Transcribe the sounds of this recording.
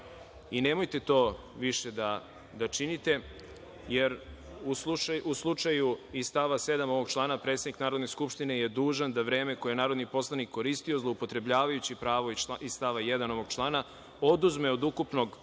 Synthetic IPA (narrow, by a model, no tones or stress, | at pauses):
ine̞mo̞jt̪e̞t̪o̞ː | ʋiʃe̞d̪a | d̪at͡ʃinit̪e̞ | je̞ɾ | uslut͡ʃauslˠut͡ʃajuist̪aʋase̞d̪amo̞ʋo̞ɡ̥̚t͡ʃlˠaːnapɾe̞t̪sed̪niknaːɾod̪neskupʃt̪ine̞jed̪uːʒand̪aʋɾe̞ːme̞ko̞jenaːɾo̞d̪nipo̞slˠanikʰːo̞ɾist̪io̞zlˠoupo̞t̪ɾe̞bʎaːʋajut͡ɕipɾaːʋoisst̪aʋajed̪ano̞ʋo̞ɡ̥t͡ʃlˠaːna | o̞d̪uzme̞od̪ukupno̞ɡ